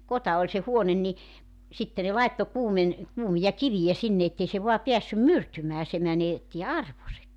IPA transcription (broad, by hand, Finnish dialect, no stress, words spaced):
kotɑ olʲ se huonen ni sitːe ne lɑetːo kuːmen kuːmijɑ kiʋijæ sinːe etːei se ʋoɑ piæsːym myrtymæː se mænetːi ɑrʋosek